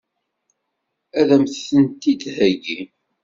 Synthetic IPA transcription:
æðæmθθənt̪ːid̪hæʝi

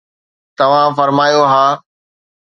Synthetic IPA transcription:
t̪ɐʋ̤ãfɐɾmaːjoɦaː

